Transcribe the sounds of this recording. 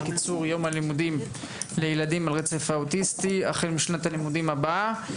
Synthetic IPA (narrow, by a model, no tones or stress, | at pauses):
kit͡suʁjo̞mhalimudim | lejeladimalʁet͡sefautist̪iaχelmiʃnatalimudimaba